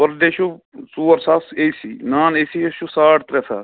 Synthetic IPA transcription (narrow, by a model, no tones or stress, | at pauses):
ʋɐɾdeʃusuːɐɾsaseːsinaːneːsieʃusaːʈt̪ɾɛsa̰ː